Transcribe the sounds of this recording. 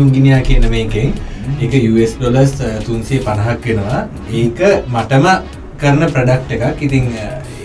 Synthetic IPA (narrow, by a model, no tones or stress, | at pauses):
uŋɡinijaːkiənəməikeŋeːkəjuːesɖoləst̪unsiepanɐɦakʋenəʋa | eːkəmaʈəmə | kəɾnəpɾəɖak̚ʈekakːit̪iŋ